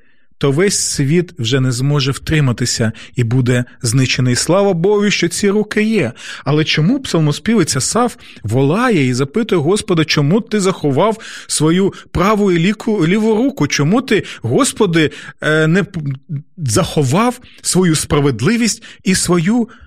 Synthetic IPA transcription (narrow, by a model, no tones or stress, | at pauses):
t̪ɔʋɛsʲsʲʋʲit̪wʒɛnɛzmɔʒɛwt̪ɾɪmɐt̪ɪsʲɐibud̪ɛznɪt͡ʃenɐislˠɑʋɐbɔɦʊʃt͡ʃɔt͡sʲiɾukɪjɛɐlˠɛt͡ʃɔmupsɐlˠmɔspʲiʋɪt͡sʲɐsɑf | ʋɔlˠɑjɛizɐpɪt̪ʊjɛɦɔspɔd̪ɐt͡ʃɔmut̪ɪzɐxɔʋɑwsʋɔjupɾɑʋʊjʊkʊlʲiʋʊɾukʊt͡ʃɔmut̪ɪɦɔspɔd̪ɪnɛ | zɐxɔʋɑwsʋɔjuspɾɐʋed̪lˠɪʋʲisʲtʲisʋɔju